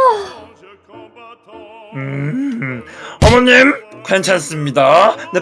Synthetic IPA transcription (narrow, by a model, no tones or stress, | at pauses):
ɯ | ʌmʌɲːimkant͡ɕʰans͈ɯmɲidane